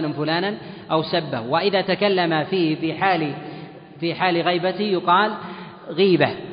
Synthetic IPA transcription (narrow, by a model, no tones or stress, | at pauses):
nʊmfʊlaːnanʔawsabːa̰hwɪʔɪðaːt̪akalːamafiːhfiħaːl | fiːħaːlɣijbat̪ɪjʊqɑːl | ɣiːba